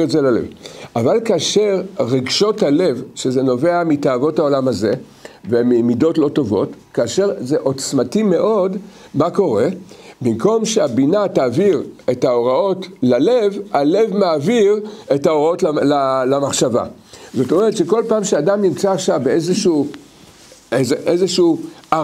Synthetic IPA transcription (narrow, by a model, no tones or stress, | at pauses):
etzelalḛvavalkaːʃe̞ʁʁeɡʃo̞thale̞vʃeze̞no̞ve̞amitaːvo̞thao̞lamaze̞ | vemimido̞tlo̞to̞vo̞tkaːʃe̞ʁzeʔo̞t͡smatime̞ʔo̞d | mako̞ʁe̞bimko̞mʃeabinataːviʁe̞taoʁao̞tlalevale̞vmaːviʁe̞taoʁao̞tllalamaχʃava̰zo̞tomeʁet̪ʃeko̞lpaːmʃeadamnimt͡saːχʃavbeezeʃuː | ezeʔezeʃu